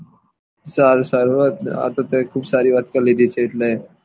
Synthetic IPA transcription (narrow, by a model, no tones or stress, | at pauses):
saɾsaːɾt̪a̰t̪ot̪ekʰuːbsaːɾiʋaːt̪̚kɐɾleːd̪it͡ʃʰeɪʈle